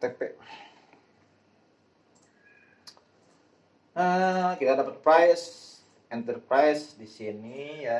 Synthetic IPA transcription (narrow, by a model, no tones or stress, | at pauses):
t̪epɛʔ | əkit̪adapərpɾajs | ɛnt̪ərpɾajsdisinija